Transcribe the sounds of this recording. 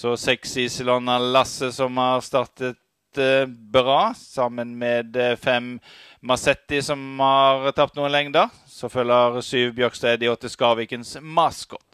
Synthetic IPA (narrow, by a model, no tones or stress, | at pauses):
sɔsɛksɪsɪlɔnɑlɑsːəsɔmhɑʁst̪ɑʁt̪ət̪ | bɾɑːsɑmənmɛd̪fɛmː | ɑsɛt̪ːɪsɔmhɑʁt̪ʰɑp̚t̪nuːənlɛŋd̪ə | sɔfœləʁsyːʋbjøkst̪eɪd̪ɪɔt̪ːəskɑːʋɪːkənsmɑsɡ̥ɔt̪